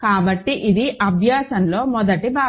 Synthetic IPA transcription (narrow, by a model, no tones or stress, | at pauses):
kaːbɐʈːiʔid̪iʔɐbʱjaːsɐnlo̞ːmɔd̪ɐʈibaː